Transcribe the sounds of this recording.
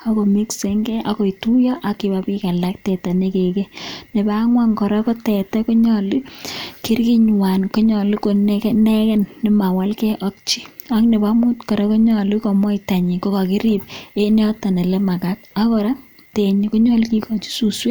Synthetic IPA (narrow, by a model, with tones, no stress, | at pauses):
a˨kɔ˨mi˦kse˦ŋɡɛ˦ʔa˦ko˨i˨tu˦jɔ˦ʔa˨ki˨bapi˦ka˨la˦k̚tɛ˨ta˨ne˦ke˨ke˦ne˨ba˦ŋwa˦ŋkɔ˨ɾa˦ko˦tɛ˨tɛ˦ko˦ɲɔ˨li˦ki˦rki˦ɲwa˨nko˦ɲɔ˨li˦ko˨nknɛ˦kɛ˦nːɪ˦ma˨wa˦lkɛ˦ʔɔ˦k̚t͡ʃi˦a˦kne˨ba˦mu˦tkɔ˨ɾɛ˦kɔ˦ɲɔ˨li˦kɔ˨mɔ˦ita˨ɲi˨ko˦ka˨ki˦ɾi˦p̚e˦ne˦ɔ˦ta˨ne˨le˦ma˨ka˦t̚a˦kɔ˨ɾa˦ | te˨ɲi˨ko˦ɲɔ˦lki˦kɔ˨t͡ʃi̥˦su˨swe˦